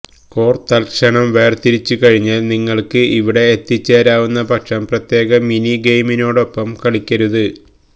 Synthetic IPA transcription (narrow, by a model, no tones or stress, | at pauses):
ko̞ːrt̪ːɐlkʂɐɳɐmʋe̞ːrt̪iɾit͡ɕːɨkɐɻiɲːaːlniŋːɐɭkɨʔiʋiɽe̞ːt̪ːit͡ɕːeːɾaːʋunːɐpɐkʂɐmprɐt̪je̞ːɣɐminiɡejmino̞ːɽo̞pːɐmkɐɭikʲːɐɾuðɨ